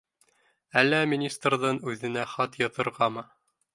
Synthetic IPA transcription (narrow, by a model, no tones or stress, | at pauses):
ælːæmʲinʲist̪rðɤɴʉðɘ̆næχɑt̪jɑt̪ɤ̆ɾʁɑmɤ